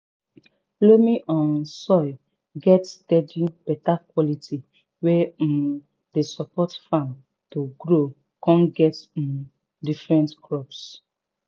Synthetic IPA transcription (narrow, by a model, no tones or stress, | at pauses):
lomĩʔɔ̃nsɔj | ɡɛtstɛdĩb̥ɛtakwɔlitʰi | wɛ̃ | desɔpɔtfãn | toɡɾo | kɔ̃nɡɛt̩m | difɹɛ̃ntkɹɔps